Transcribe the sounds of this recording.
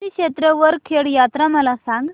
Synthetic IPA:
ikɕet̪ɾəʋəɾkʰeɽjat̪ɾaməlasãŋɡ

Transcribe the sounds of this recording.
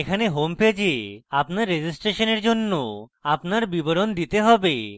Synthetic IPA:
ekʰaneɦomped͡ʑeapnaɾːed͡ʑisʈɾeʃoneɾd͡ʑonːoapnaɾbiboɾond̪it̪eɦɔbe

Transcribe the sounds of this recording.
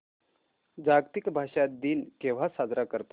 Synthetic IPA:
d͡ʑaɡt̪ikbʱaʂat̪̚d̪iːnkeʋ̤asad͡zɾakəɾt̪o

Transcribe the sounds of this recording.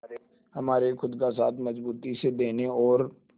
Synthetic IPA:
həmaːɾexʊd̪kasaːt̪ʰməzbuːt̪ised̪eːneɔːɾ

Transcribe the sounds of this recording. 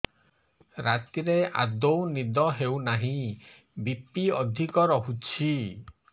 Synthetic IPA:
ɾat̪iɾeʔa̰d̪ownid̪ɔɦewnaɦĩ | bipiɔd̪ʱikɔɾɔɦut͡ʃʰi

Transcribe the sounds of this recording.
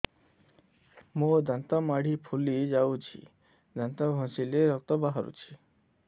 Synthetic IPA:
mod̪ʱənt̪amaɽ̤ʱipʰulid͡ʑawt͡ɕʰḭ | d̪ʱə̃nt̪abʱɔ̃sileɾɔk̚t̪ɔbaɦaɾṵt͡ɕʰi̥

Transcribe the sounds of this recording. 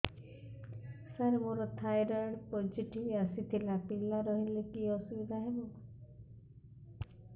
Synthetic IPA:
saɾemoɾɔt̪ʰajɾaɽpɔd͡ʒiʈiasit̪ʰilapilaɾɔɦilekiɔsubid̪ʱaɦebɔ

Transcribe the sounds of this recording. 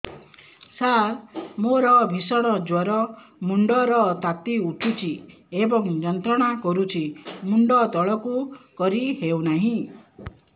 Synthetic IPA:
samoɾɔbʱisɔɽ̃ɔd͡ʒwɔɾɔmuɳɖɔɾɔt̪at̪iuʈʰut͡ʃʰi | ebɔŋd͡ʒɔnt̪ɾɔɽ̃akɔɾut͡ʃʰimuɳɖɔt̪ɔɭɔkukɔɾiɦewnaɦĩ

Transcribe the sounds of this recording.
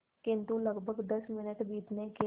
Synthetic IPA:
kɪ̃nt̪ũːləɡbʱəɡd̪əsmɪnəʈbiːt̪neːke

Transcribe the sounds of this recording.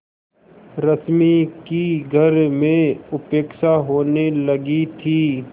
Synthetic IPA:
ɾɐsmikiɡʱɐɾmẽʊpeːkʃaɦoːnelɐɡit̪ʰiː

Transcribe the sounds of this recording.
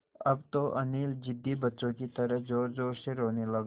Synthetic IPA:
ɐbt̪oʔɐniːld͡ʒɪd̪ːibɐtːt͡ʃõkit̪ɐɾəɦd͡ʒoːɾd͡ʒoːɾseɾoːnelɐɡ

